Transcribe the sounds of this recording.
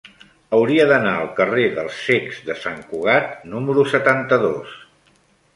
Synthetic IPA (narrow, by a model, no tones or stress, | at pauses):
əwɾiəðənaəlˠkəreðəlˠseɡz̥ðəsaŋkuɣ̞at̪̚numəɾusət̪ant̪əðos